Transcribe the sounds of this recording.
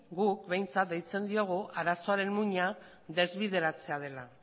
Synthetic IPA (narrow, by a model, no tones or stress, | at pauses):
ɡuk̚be̞jnt͡sat̪̚d̪ejt͡se̞nd̪io̞ɣ̞uʔaɾaso̞aɾe̞nmuɲa | ðe̞zβiðe̞ɾat͡se̞að̞e̞la